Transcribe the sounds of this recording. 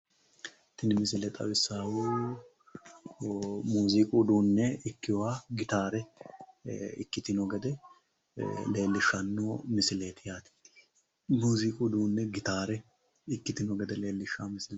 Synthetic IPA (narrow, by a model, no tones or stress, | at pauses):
t̪ɪnɪmɪsɪlɛt̪ʼɐ̰wɪsːaːwuː | muːzɪkʼud̪uːnːɛɪkːɪjwaːɡɪt̪aːɾɛ | ɪ̰kːɪt̪ɪnɔɡɛd̪ɛ | le̞ːlːɪʃːɐnːoːmɪsɪleːt̪ɪjaːt̪ɪ̥ | muːzɪkʼud̪uːnːɛɡɪt̪aːɾɛ | ɪkːɪt̪ɪnɔɡɛd̪ɛleːlːɪʃːaːmɪsɪl